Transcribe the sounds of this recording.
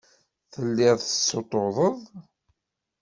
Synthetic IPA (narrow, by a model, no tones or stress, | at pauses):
θəlːɪðˤθəsːot̪ˤːoðˤəðˤ